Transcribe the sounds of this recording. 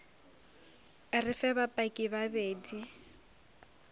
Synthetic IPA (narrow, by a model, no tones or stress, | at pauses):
rɪfɛβapʼakʼɪβabeːdi